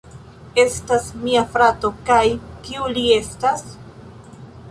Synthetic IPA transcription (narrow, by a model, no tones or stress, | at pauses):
e̞stasmiafɾato̞kajkiulie̞stas